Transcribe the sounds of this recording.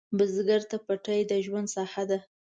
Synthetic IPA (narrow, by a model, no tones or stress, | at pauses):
bəzɡaɾt̪apaʈəjd̪əʒwand̪sɑhad̪a